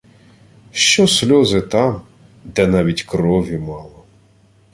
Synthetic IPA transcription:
ʃt͡ʃɔsʲlʲɔzɪt̪ɑm | d̪ɛnɑʋʲitʲkɾɔʋʲimɑlˠɔ

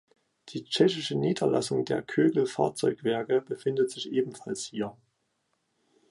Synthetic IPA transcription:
d̥iːt͡ʃɛçɪʃəniːdɐla̰sʊŋdeːɐkʰøːɡl̩fa̰ːɐt͡sɔʏkv̥ɛɐkəbəfɪndətz̥ɪçʔeːbm̩falshiːɐ

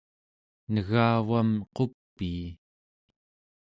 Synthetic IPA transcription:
nəɣaːvamqo̞pːiː

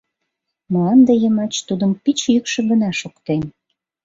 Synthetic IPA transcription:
mɑnd̪ejəmɑt͡ɕt̪ud̪əmpit͡ɕjykʃə̆ɡə̆nɑʃokt̪en

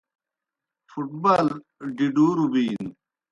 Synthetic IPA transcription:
fuʈ̚bal | ɖiɖuːɾubiːn

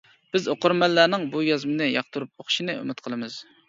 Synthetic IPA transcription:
b̥ɪzoqʊɾmɛlːænɪŋbujɑzmɨnɨjɑqt̪ʰuɾup̚oχʃinɨø̰mɪt̪̚qʰəlˠɨmɨz̥

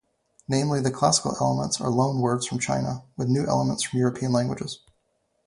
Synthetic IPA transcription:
nẽɪ̃mliðɨkʰl̥æsə̥kl̩ˠɛ̰lˠəmə̃ntsə̰˞lõʊ̃nwɜ˞dz̥fɹʌ̃mt͡ʃʰã̰ɪ̃nə̰wɨðnʉʔɛ̰lˠəmə̃ntsfɹʌ̃mjʊɹɨpʰiɨ̃nlæ̃ŋɡwəd͡ʒɨz̥

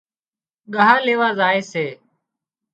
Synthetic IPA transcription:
ɠəɦaːleːʋaːzaːeːseː

